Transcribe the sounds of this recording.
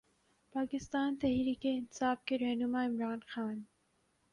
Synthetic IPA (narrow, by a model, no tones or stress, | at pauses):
paːkɪst̪aːnt̪ɛɦɾiːkeɪnɪsaːfkeɾɐɦnʊmaɪmɾaːnxaːn